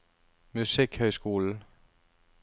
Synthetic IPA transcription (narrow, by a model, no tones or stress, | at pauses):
mysiɡ̥hœɪsɡ̥o̝̰ːln̩